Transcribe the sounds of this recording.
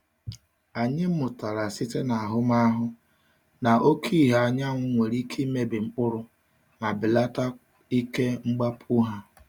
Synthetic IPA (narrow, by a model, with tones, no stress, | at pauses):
a˨ɲɪ˦m̩˦mʊ˨ta˨ɾa˨sɪ˦te˦na˨a˨ɦʊ˦ma˦ɦʊ˦ | na˨ʔo˦kʰi˦˨ɦa˨ɲa˦ŋʷʊ˦ŋʷe˨ɾi˦kʰi˦me˦bɪ˨ŋ͡m̩˦k͡pʊ˦ɾʊ˦ | na˨bɪ˨la˦ta˦ | i˦ke˦ŋ͡m̩˦ɡ͡ba˦pʰu˦ɦa˦